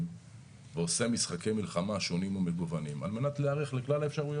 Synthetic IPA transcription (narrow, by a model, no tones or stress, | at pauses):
veose̞misχake̞jmilχamaʃo̞nimomeɡuvanima̰lme̞natleaʁeχleklalaefʃaʁujo